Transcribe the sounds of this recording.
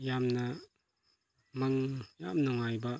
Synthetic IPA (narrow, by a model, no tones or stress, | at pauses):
jamna | maŋjamnɔŋajba